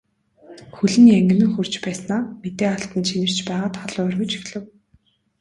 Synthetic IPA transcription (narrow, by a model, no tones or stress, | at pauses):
xɵɮɘ̆næŋɡʲɘ̆nɘ̆ŋxɵr̥t͡ɕpæːsnaːmet̪eːaɬt̪ə̆nt͡ɕʰinɘ̆r̥t͡ɕpæːʁaːt̪χɔɮœːrɣɵ̆t͡ɕi̥xɮɘ̆w